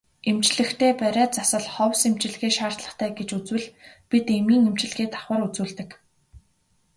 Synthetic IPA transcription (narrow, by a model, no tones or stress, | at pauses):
em̥t͡ɕɮɘ̆xt̪ʰeːpæɾʲaːt͡sasə̆ɮχɔwsemt͡ɕɪ̆ɮɣeːʃaːr̥t̪ɮə̥̆χt̪ʰæːɡet͡ɕut͡swɘ̆ɮpit̪emiːŋem̥t͡ɕɪ̆ɮɣeːt̪ʰḁχwə̆ɾut͡suːɮt̪ɘ̆k